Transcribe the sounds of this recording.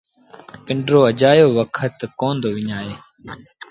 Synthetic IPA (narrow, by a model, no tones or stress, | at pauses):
pɪɳɖɾoːəd͡ʒaːjoːʋəkʰət̪koːnd̪oːʋɪɲaːeː